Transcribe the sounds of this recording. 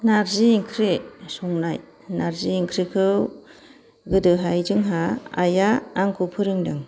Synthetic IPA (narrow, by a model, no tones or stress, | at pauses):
naɾziːŋkʰɾisɔŋnaj | naɾziiŋkʰɾikʰɯw | ɡɯdɯɦajd͡ʒɯŋɦa̰ːjaːŋkʰupʰɯɾɯŋdɯŋ